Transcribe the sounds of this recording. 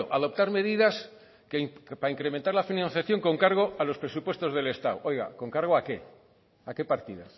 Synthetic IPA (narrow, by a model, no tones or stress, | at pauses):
oʔaðo̞p̚t̪aɾme̞ðiðas | kepaiŋkɾemẽnt̪aɾlafinãnθjaθjo̞ŋko̞ŋkaɾɣ̞o̞alo̞spɾe̞supwe̞st̪o̞zð̞e̞le̞st̪awʔo̞jɣa̰ko̞ŋkaɾɣ̞oake | ake̞paɾt̪iða̰